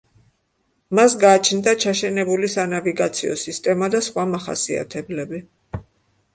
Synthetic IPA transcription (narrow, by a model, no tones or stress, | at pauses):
masɡaːt͡ʃʰnd̪at͡ʃʰaʃɛnɛbulisanaviɡat̪sʰḭɔ̰sist̪ʼɛmad̪asχwamaχa̰sia̰t̪ʰɛblɛbi